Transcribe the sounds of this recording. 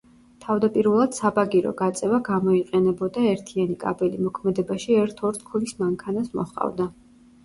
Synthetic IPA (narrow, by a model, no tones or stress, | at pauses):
t̪ʰavd̪apʼiɾvɛlˠad̪̥sabaɡiɾɔ̰ɡat̪sʼɛvaɡamɔiqʼɛnɛbɔd̪aɛɾt̪ʰianikʼa̰bɛlimɔkʰmɛd̪ɛbaʃiɛɾt̪ʰɔɾt̪ʰkʰulismaŋkʰanasmɔ̰χqʼa̰vd̪a